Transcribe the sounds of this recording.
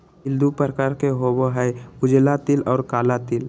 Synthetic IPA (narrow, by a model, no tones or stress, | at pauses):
ɪld̪upəɾəkaːɾkeɦoːboɦɛʊd͡ʒlat̪ɪlɔːɾkaːlat̪ɪl